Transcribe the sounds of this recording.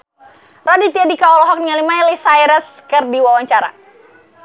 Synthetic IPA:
radit̪iadikaɔlɔɦɔk̚niŋalimajlisajɾəs | kɨrdiwawaɲt͡ʃaɾa̰

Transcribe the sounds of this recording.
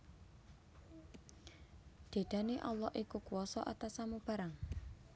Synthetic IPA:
d̪̥e̤d̪̥a̤neʔɔlːɔhʔikukuɔsɔʔat̪asamub̥a̤ɾaŋ

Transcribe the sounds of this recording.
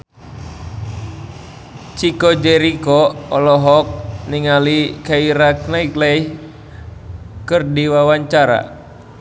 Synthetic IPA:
t͡ʃikɔd͡ʒɛɾikɔɔlɔɦɔk̚niŋalikaiɾaknaiklɛi | kɨrdiwawaɲt͡ʃaɾa̰

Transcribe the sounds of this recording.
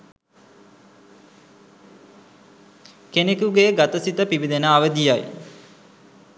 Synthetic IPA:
kenekuɡejɡat̪əsit̪əpiʋid̪enəːʋəd̪ijaj

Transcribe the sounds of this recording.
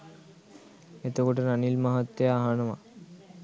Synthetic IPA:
et̪eɡoʈenanilmaɦat̪ːeaɦanoma̰

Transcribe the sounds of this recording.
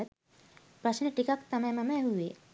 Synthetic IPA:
ət̪ | pɾɐsnəʈikakt̪ɐmɛ̃ːmɐmɛːɦuʋe

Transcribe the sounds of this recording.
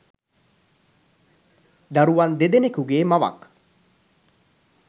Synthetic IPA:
d̪aɾuʋand̪ed̪enekuɡeːmaʋa̰k

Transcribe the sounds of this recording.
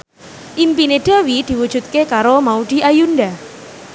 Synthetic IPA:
ʔimpineɖ̪̥a̤wid̪̥i̤wud̥ʒ̥ṳt̪̚kekaɾomaud̪̥i̤ʔajunɖa

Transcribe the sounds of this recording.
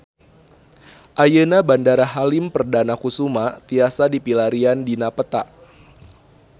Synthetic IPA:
ʔajənabandaɾaɦalimpərdanakusumat̪iasadipilaɾiandinapət̪aʔ

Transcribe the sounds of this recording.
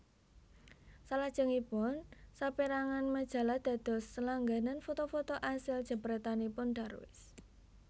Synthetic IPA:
salad̥ʒ̥ə̤ŋipʊnsapiɾaŋanməd̥ʒ̥a̤lahd̪̥ä̤d̪̥ɔ̤sːəlaŋɡananfot̪ofot̪oʔasɪld̥ʒ̥ə̤pɾɛt̪anipʊnɖ̪̥a̤rwɪ̰s

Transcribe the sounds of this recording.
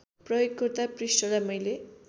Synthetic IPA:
prʌjoɡkʌrt̪aprisʈʌlajmʌjle

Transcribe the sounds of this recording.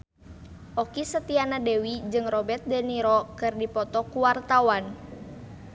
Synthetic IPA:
ʔɔkisət̪ianadɛwid͡ʒɨŋrɔbɛt̪̚dəniɾɔkɨrdipɔt̪ɔkuwart̪awan

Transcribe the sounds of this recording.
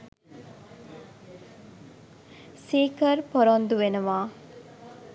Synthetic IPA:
seːkɐɾpoɾond̪uʋenuʋaː

